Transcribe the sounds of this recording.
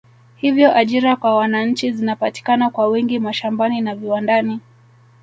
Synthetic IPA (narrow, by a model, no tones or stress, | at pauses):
hivjɔʔaʄiɾakwawanaɲ̩t͡ʃizinapati̥kanakwawɛŋɡimaʃambaninaviwandani